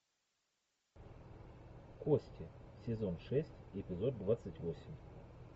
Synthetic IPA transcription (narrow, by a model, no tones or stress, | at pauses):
kosʲtʲɪsʲɪzo̞nʂɛsʲtʲɪpʲɪzo̞d̪̚d̪vat̪sɨtʲvosʲɪmʲ